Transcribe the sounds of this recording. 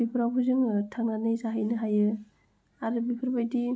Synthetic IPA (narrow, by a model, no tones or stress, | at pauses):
bipʰɯɾawbʰɯzɯŋtʰaŋnanɯjzaɦajnɯɦajɯ | aɾɯbipʰɯɾbajdi